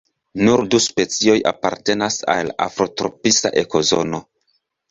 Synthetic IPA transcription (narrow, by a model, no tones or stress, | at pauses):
nuɾduspe̞t͡sio̞ja̰paɾte̞nasa̰la̰fɾo̞tɾo̞̰pista̰ʔe̞ko̞zo̞̰no̞